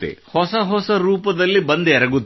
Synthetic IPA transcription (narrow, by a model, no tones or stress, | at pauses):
t̪ːḛhɔsɐɦɔsɐɾuːpɐd̪ɐlːibɐnd̪eɛɾɐɡut̪ː